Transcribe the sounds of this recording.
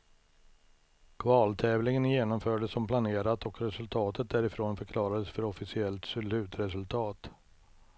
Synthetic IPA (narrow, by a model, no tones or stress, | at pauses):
kʰvɑːlt̪ʰɛːvlɪŋənjeːnɔmfœːɖəsːɔmplaneːɾat̪ɔkɾɛsɵlt̪ʰɑːt̪ət̪̚d̪æɾɪfɾoːnfœɾkʰlɑːɾad̪əsfœɾɔfɪsɪɛlt̪sʊlʉ̟ːt̪ɾɛsɵlt̪ʰɑːt̪